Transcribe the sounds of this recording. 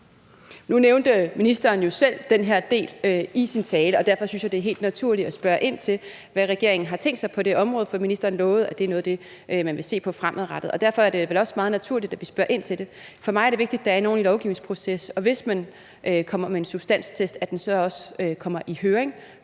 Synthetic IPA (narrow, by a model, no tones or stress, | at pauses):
nuneʊnd̥əminisd̥ɐːnjo̝sel̰d̥enɦeɐ̰d̥e̝̰ːløisint͡sʰɛːləɒ̽d̥æɐ̰fɒ̽synsjɑ̈ɪde̝æɐɦe̝̰ːld̥næt͡sʰuɐ̰li̥ɒsb̥ɶɐʔe̝n̰t͡sʰe̝l | ʋæʁɛɡ̥e̝ɐe̝ŋn̩ɦɑ̈t͡sʰeŋ̰ɡd̥sɑ̈ɪpʰɒ̽d̥e̝ʔɒ̽mʁɔ̽ːð̞̩ˠfɒ̥iminisd̥ɐːn̩lɔ̽ːð̞̩ˠæd̥e̝æɐnɔ̽ːð̞̩ˠd̥e̝ | ʔømænʋe̝se̝̰ːpʰɒ̽fʁamʔð̩ˠʁɑd̥ð̩ˠɒ̽d̥æɐfɒ̽æɐɾ̥e̝ʋelɒ̽smɑ̈ːð̩ˠnæt͡sʰuɐ̰lid̥æʋisb̥ɶɐʔe̝n̰t͡sʰe̝ld̥e̝fɒ̽mɑ̈ɪɐɾ̥e̝ʋe̝ɡ̥̚d̥id̥ːɑæɐno̝ːnilɒʊɡ̥ḭːʊne̝ŋspʰʁo̝sesɒ̽ʋe̝smæn | ʔkʰɒ̽m̰ɐmee̝nsub̥sd̥æn̰st͡sʰesd̥æd̥ensɒ̽ɒ̽sə̥økʰɒ̽m̰ɐʔihøːɐʁeŋ